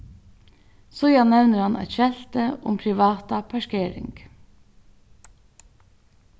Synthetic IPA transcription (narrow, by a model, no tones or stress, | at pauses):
sɔjɑnɛʋnəɾhɑnʔæ̰t̪ʃɛlt̪əʊ̰mpʰɾɪʋɑːt̪ɑpʰɑʃkeːɾɪ̰ŋɡ̥